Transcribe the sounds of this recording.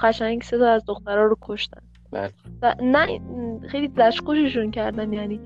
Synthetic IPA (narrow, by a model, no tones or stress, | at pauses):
ɢæʃæɲɟse̞t̪ʰɒːæzd̪oxt̪æɾɒːɾokʰoʃt̪æ̰n | ba̰vænæixejlizæʃqoʃeʃuncʰæɾd̪ænjæniː